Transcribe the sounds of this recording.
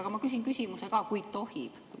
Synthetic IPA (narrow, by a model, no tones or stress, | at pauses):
ɡ̥ɑmɑkys̬inkysʲimuse̞kɑːkujd̪̚t̪o̞hi | ku